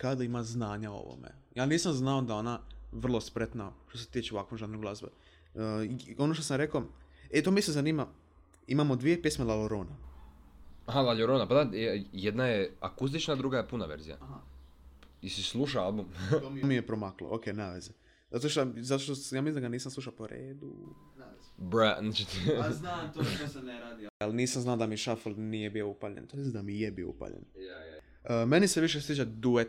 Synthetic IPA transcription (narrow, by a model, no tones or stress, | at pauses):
kad̪aimaznaːɲao̰ʋo̰mḛjaːniːsamznaod̪ao̞naʋr̩lˠo̞spɾe̞t̪naʃt̪oset̪it͡ʃeoʋakʋomʒannoɡlazbḛ | o̞noʃt̪o̞samɾe̞koet̪omisezaniːma | imamod̪ʋijepjesmelaloɾona | ɦalaʎoɾonapad̪ajed̪najeakust̪it͡ʃnad̪ɾuɡajepunaʋḛɾzija̰a | isislˠuʃaalˠbummijepɾomaklo̰ʔokeːnaːʋeze | zat̪oʃt̪azat̪oʃt̪ojaːmisind̪aɡaniːsamsluʃapoɾḛːd̪u | bɾanat͡ʃiat̪osnɾad̪ialniːsamznaod̪amiʃafolˠnijebioupaʎḛnt̪omisd̪amijebioṵpa̰ʎḛn | əmeniseʋiʃ̬est̪it͡ɕad̪ue